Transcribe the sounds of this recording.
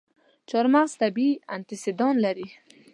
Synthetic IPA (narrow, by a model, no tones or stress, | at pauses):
t͡ʃɑɾmaɣz̥t̪abia̰nt̪ɪsɪd̪ɑnlaɾi